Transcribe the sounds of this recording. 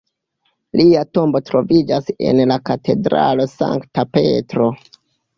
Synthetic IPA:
lʔiato̞mbo̞tɾo̞vid͡ʒase̞̰nlakate̞dɾa̰lo̞sa̰ŋktape̞̰tɾo̞

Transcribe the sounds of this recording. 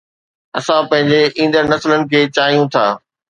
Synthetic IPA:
ɐsãpɐ̃ɦɪ̃ɲd͡ʑeʔĩːnd̪əɾnɐslənɪ̆kʰeːt͡ɕaːɦijũt̪ʰaː

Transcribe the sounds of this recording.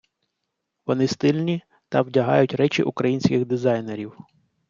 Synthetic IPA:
ʋɔnɪst̪ɪlʲnʲi | t̪ɐwdʲɐɦɑ̰jʊtʲɾɛt͡ʃɪ̰ʔukɾɐjinʲsʲkʲɪxd̪ɪzɑjne̞ɾʲiw

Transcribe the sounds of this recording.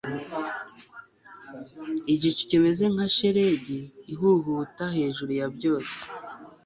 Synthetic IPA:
iɟici̥ceme̞zeŋ̥aʃeɾe̞ɟiːɦuɦutahe̞ːʒuɾujabɟo̞ːse̥

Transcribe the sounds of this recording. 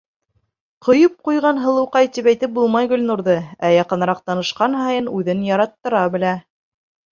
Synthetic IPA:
qʰŏjɤp̚qujʁɑnɦɤ̆lˠɤ̆wqɑjt̪ipæjt̪ɘp̚bulˠmɑjɡɵ̆lnuɾðɤæjɑqɤ̆nɾɑq̚t̪ɑnɤ̆ʃqɑnɦɑjɤnʉðɘnjɑɾɑt̪ːɤ̆ɾɑbɘ̆læ

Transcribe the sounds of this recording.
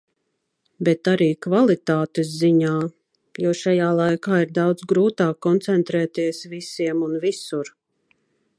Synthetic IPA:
bɛt̪aɾiːkvalˠit̪aːt̪esziɲaː | juɔʃajaːlˠajkaːiɾd̪awd̪zɡɾuːt̪aːkːɔnt̪sɛnt̪ɾɛːt̪iɛsvisiɛmunvisuɾ

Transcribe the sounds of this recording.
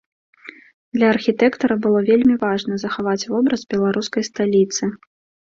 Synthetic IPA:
d̪lʲɐːrxʲit̪ɛkt̪ɐɾɐbɨlˠɔvʲelʲmʲivaʐnɐzɐxavat͡sʲvɔbɾɐzbʲɛlˠaɾuskɐjst̪alʲit̪sɨ

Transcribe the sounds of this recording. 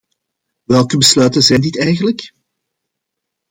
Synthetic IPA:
ʋɛlˠkəbəslœːtənzɛjndɪtɛjɣənlək

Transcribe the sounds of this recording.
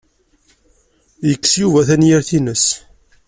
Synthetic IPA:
jəkːsjuvæθænjiɾθinəs

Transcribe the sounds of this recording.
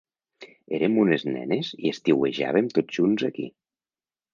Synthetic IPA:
eɾemuneznɛ̰neziest̪iweʒa̰β̞emt̪odʒ̥unzakḭ

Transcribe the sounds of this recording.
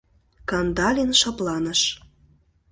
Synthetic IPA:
kɑnd̪ɑlʲinʃɑplɑnə̆ʃ

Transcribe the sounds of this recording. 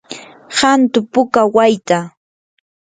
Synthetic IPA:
hant̪ʊpʊkawajt̪a

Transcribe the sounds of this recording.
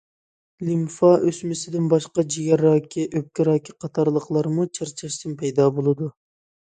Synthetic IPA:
limfɑʔøsmɪsɪd̪ɪnbɑʃqɑd͡ʒiɡʲɛɾɑːkʲʰiʔøp̚kʲɪɾɑːkʲiqʰɑt̪ʰɑɾlˠəqlˠɑɾmut͡ʃʰɨɾt͡ʃʰɑʃt̪ɨnpʰɛjd̪ɑːbolˠɨd̪u

